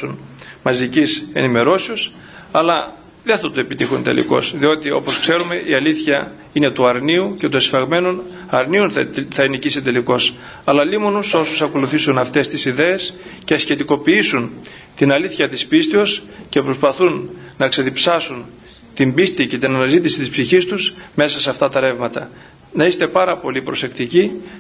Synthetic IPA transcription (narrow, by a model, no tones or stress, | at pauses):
unmɐzicise̞̰nime̞ɾo̞sios | ɐlɐ | ðenθɐt̪ue̞pit̪ixunt̪e̞̰lḭko̞̰sðio̞t̪io̞̰po̞skse̞ɾume̞ʔiɐliθçɐ | ine̞t̪uɐɾniuce̞t̪uesfɐɣme̞nun | ɐɾniunθɐinicisit̪e̞liko̞s | ɐlɐlimonuso̞susɐko̞luθisunɐft̪e̞st̪isiðe̞escesçe̞t̪iko̞piisun | t̪inɐliθçɐt̪ispist̪eo̞s | ce̞pɾospɐθunːɐkse̞ðipsɐsun | t̪imbist̪ice̞t̪inɐnɐzit̪isit̪ispsiçist̪usme̞sɐseɐft̪ɐt̪ɐɾe̞vmɐt̪ɐ | nɐist̪e̞pɐɾɐpo̞lipɾo̞se̞kt̪ici